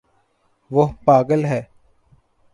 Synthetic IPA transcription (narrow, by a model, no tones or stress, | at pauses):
ʋoɦpaːɡəlɦɛː